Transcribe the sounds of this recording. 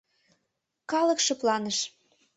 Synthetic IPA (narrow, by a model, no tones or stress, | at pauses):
kɑlɤ̆kʃɤ̆plɑnəʃ